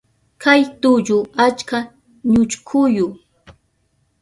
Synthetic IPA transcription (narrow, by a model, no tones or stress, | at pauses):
kʰajt̪ʊʎʊat͡ʃka | ɲʊt͡ʃkʰʊjʊ